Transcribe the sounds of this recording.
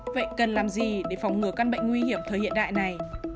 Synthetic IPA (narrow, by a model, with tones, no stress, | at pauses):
və̰˧˨jkə˨˩nlaː˨˩mzi˨˩ɗe˧˩fa˨˩wŋ͡mŋɨ˨˩əka˧nɓə̰˧˨ŋ̟ŋwi˧hi˧˩əmt̪ʰəː˨˩jhḭ˧˨ənɗa̰ː˧˨jna˨˩j